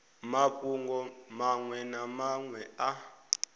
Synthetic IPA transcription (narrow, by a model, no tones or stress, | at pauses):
makʼuŋɡɔmaŋwɛnamaŋwɛa